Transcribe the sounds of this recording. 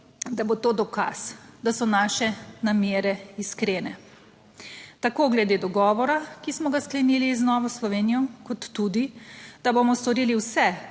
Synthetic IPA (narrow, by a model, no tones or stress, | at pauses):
d̪abot̪oːd̪ɔka̰sd̪asɔnaːʃɛnamjeːɾɛiskɾeːnɛ | t̪akoːɡlɛd̪ed̪ɔɡɔːʋɔɾakismɔɡasklɛniːliznɔːʋɔslɔʋeːnijɔkɔt̪ːud̪id̪̥abomɔst̪ɔɾiːliwsɛ